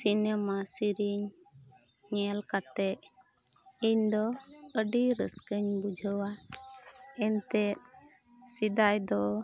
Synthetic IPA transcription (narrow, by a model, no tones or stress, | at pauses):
sinemasiɾiɲː | ɛlkat̪ɛʔ | iɲd̪ɔəɖiɾəskəɲbud͡ʒʱəwa | ɛnt̪ɛt̪̚ | sid̪ajd̪ɔ